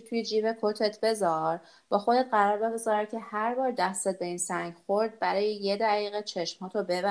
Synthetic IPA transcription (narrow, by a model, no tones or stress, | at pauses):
t̪ʰujed͡ʒiːvekʰot̪ʰet̪ʰbe̞zɒɾ | b̥ɒːxo̞d̪et̪ɢæɾɒːɾbe̞ɡo̞zɒːɾæd̪̚cʰe̞hæɾbɒːɾd̪æst̪et̪̚be̞insæɲɟxoɾd̪̚bæɾɒːjejed̪æɣiːɣet͡ʃʰeʃmhɒːt̪ʰobebæ